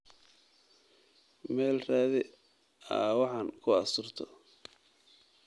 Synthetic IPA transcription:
mɛːlraːðɪ | a̰ːwɑħɑnkʰʊɑsʊrt̪ʰɔ

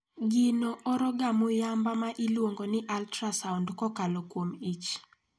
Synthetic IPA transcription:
ɡɪnoɔɾɔɡamʊjambamaʔilwoŋɡonɪʔaltɾasawndkɔkalɔkwomit͡ʃ

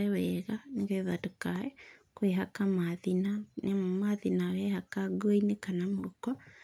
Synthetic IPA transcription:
ɛwɛɣaneɣɛðatokaɛkweɦakamaðinamaðinawɛhakaɡoinekanamoɾukɔ

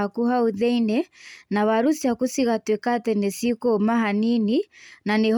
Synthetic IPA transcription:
akuɦauðɛinɛnawaɾusiakusiɣatwɛkatɛnɛsikɔmaɦanininaneh

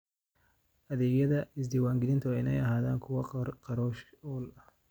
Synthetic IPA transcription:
ʔɐðɛːɡjɐðɐɪsd̪ɪwaːŋɡɪlɪnt̪ʰʊɛɪnɐjɐɦaːða̰ːŋkʰʊwɐqɑɾɔːʃɔlɐh

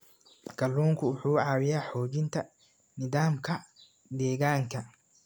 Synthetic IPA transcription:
ɡ̥ʰɐlːuːŋkʰʊʊħuːʕɑːwɪjaːħɔːt͡ʃɪnt̪ʰɐ | nɪðaːmkʰɐ | d̪ɛːɣaːŋkʰɐ

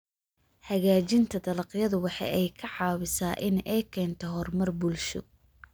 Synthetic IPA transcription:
hɐɣaːt͡ʃɪnt̪ʰɐd̪ɐlɐqjɐðʊwɑħɑ̰jɛjkʰɐʕɑːwɪsaːʔɪnɛjkʰɛːnt̪ʰɔɦɔrmɐrbʊlʃʊ̰

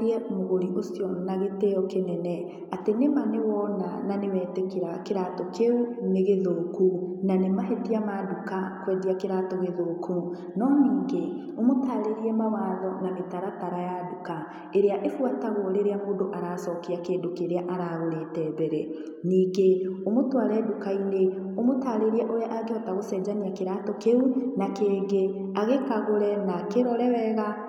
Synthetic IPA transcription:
ɛmoɣoɾiʔosjɔnaɣeteɔkenɛnɛ | atenemanewɔna̰nanewɛːtekiɾakeɾatɔkeuneɣeðoːkunanemaɦɛdiamadukakwɛdiakeɾatɔɣeðoːku | nɔniːŋɡe | omotaːɾeɾiɛmawaːðɔnametaɾataɾajaduka | eɾeaʔefwataɣoɾeɾeamoːdoʔaɾasɔkeakeːdokeɾeaʔaɾaɣoɾetɛbɛɾɛ | niːŋɡeomotwaɾɛdukaine | omotaːɾeɾiɛʔoɾeaʔaɡeɔtaɣosɛd͡ʒaniakeɾatɔkeunakeːɡe | aɣekaɣoɾɛnakeɾɔɾɛwɛɣa

